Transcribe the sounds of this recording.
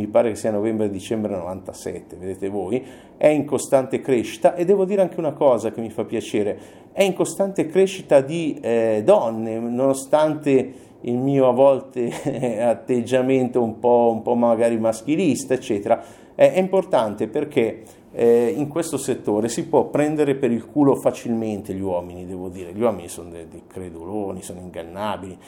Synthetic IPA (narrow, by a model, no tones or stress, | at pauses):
mipaːɾekesːiːanovɛmbɾed̪it͡ʃɛmbɾeno̰va̰nt̪asɛ̰t̪ːeved̪eːt̪evoːj | ɛiŋkost̪ant̪ekɾeʃi̥t̪aʔed̪ːɛːvod̪iːɾeaŋk̟eunakɔːzak̟emːifapːjat͡ʃeːɾe | ɛiŋkost̪ant̪ekɾeʃit̪ad̪id̪ɔnːenonost̪ant̪e | ilmiːoavɔlt̪eat̪ːed͡ʒːament̪oumpɔumpɔmaɡaːɾimask̟ilist̪aet͡ʃːɛːt̪eɾa | ɛʔɛimport̪ant̪eperk̟e | iŋkwest̪oset̪ːoːɾesipwɔpːɾɛnd̪eɾepeɾilkuːlofat͡ʃilment̪eʎiwɔːminid̪ɛːvod̪iːɾeʎiwɔːminisonod̪ed̪ejkɾed̪uloːnisoːnoiŋɡa̰nːaːbili